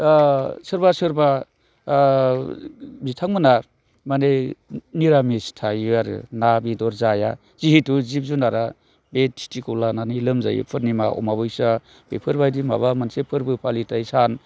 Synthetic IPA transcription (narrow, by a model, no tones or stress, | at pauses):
sɯɾbasɯɾba | bitʰaŋmɯna | maneniɾamesi̥tʰajiaɾɯ̰nabidɔɾzaja | z̥iɦituzip̚zunaɾa | beti̥stʰikɔlananilɯmza̰jḭpʰɯɾnimaɔ̰mabɯjsa | b̥ḛpʰɯɾbajdima̰βamansepʰɯɾbɯpʰalitʰajsan